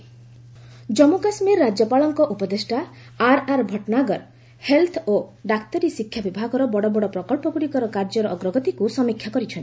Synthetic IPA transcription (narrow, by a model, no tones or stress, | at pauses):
d͡ʒɔmukasmiɾːad͡ʒjɔpaɭɔŋkɔʔupɔd̪esʈaː | ɾaɾbʱɔʈnaɡɔɾ | helt̪ʰɔoɖakt̪ɔɾisikʰːjabibʱaɡɔɾɔbɔɽɔbɔɽɔpɾɔkɔɭpɔkuɽikɔɾɔkaɾd͡ʒɔɾɔʔɔɡɾɔɡɔt̪ikusɔmikʰːjakɔɾit͡ʃʰɔnt̪i̥